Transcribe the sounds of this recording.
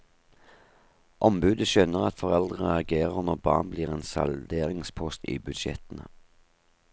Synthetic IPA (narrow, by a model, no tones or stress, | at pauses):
ʔɔmbʉːd̪əʃønəʁɑt̪fɔʁɛld̪ʁəɑɡeːʁəʁnɔbɑ̰ːʁnbliːʁeːnsɑ̰ld̪eːʁɪŋspʰɔst̪ḭːbʉd̪ʃɛ̰t̪nə